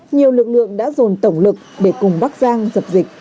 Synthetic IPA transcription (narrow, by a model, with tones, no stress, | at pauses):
ɲi˨˩əwlɨ˨˩k̚lɨ̰˧˨əŋɗa̰ː˧˥zo˨˩nt̪ə˧˩wŋ͡mlɨ˨˩k̚ɗe˧˩kʊ˨˩ŋ͡mɓa˦˥k̚zaː˧ŋzə˨˩p̚zï˨˩k̟̚